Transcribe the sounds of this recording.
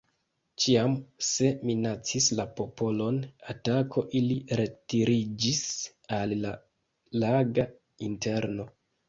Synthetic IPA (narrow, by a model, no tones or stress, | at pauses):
t͡ʃiamse̞minat͡sislapo̞po̞lo̞natakʰo̞ʔiliɾe̞tiɾid͡ʒis | alla | laɡa | inte̞ɾno̞